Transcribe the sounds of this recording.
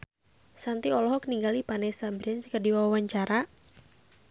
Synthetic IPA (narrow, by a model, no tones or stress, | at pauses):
sant̪iɔlɔɦɔkəniŋɡalipanɛsabɾiɛnskərdiwaawaɲt͡ʃaɾʔa